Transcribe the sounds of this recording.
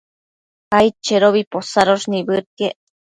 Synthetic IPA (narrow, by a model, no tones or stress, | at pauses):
ajt͡ʃeɾoβiposaɾoʐnibɨɾkeʔ